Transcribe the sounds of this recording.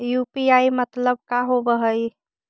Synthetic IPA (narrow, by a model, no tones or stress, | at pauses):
jupiaimət̪ləb̚kaɦobəɦəj